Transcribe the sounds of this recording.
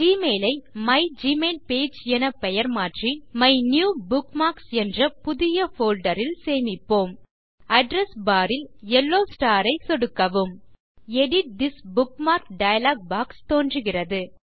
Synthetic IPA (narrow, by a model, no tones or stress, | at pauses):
d͡ʒiːmeːlɐɪmɐɪd͡ʒiːmeːlpeːd͡ʒɛnɐpɛjɐɾmaːʈrimɐɪnjuːbʊkmaːksɛndrɐpʊðɪjɐfoːlɖɐɾɪlseːmɪpːoːm | ɐɖɾɛsbaːɾɪlɛlːoːsʈaːɾɐɪsɔɽɯkːɐʋɯm | ɛɽɪʈ̚d̪ɪsbʊkmaːɾkɖɐjɐlaːɡ̚baːkst̪oːndrɯɣɪrɐðɯ